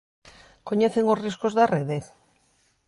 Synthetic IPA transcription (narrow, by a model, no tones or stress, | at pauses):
koɲeθeŋosriskozðareðe